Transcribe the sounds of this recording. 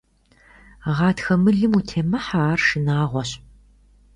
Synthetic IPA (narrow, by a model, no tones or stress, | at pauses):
ʁɑːtxɐmɨɮɨmutʰeːmɐħaːrʂɨnaːʁʷɔɕ